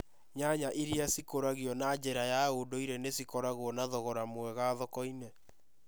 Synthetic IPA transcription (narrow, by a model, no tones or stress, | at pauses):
ɲaɲaʔiɾiasikoɾaɣijɔnad͡ʒeɾajaodoiɾenesikɔɾaɣwɔnaðɔɣɔɾamwɛɣaðɔkɔine